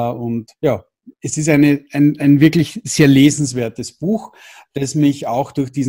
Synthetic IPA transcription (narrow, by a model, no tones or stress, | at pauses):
ʊntjaː | ɛsɪs̬tæɪnəaɪnaɪnvɪɐklɪçz̥eːɐleːzn̩sv̥eːɐtəsb̥uːx | d̥asmɪçaʊxd̥ʊɐxd̥iːz